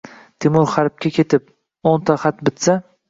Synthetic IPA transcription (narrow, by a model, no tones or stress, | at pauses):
t̪ʰɪmʊɾχaɾp̚kʲʰakʲʰet̪ʰɪp̚ | ont̪ʰaχat̪bɪt̪sa